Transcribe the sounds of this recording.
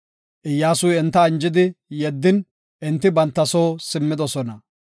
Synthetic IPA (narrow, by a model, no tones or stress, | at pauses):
ʔɪjːaːsʊjɛnt̪ːɐːnd͡ʒɪd̪ɪjɛd̪ːɪn | ʔɪnt̪ːɪbɐnt̪ːɐsoːsɪmːɪd̪ɔsɔnɐ